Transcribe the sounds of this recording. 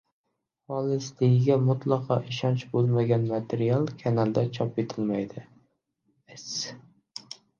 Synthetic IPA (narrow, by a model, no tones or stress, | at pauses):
hɒlˠɪslɪɡʲɪɡʲamʊt̪lˠɑqʰɑʔɪʃɒnt͡ʃbolˠmaɡʲanmat̪ʰeɾialˠkʲʰanalˠd̪at͡ʃʰɒpet̪ʰɪlmajd̪ɪ | es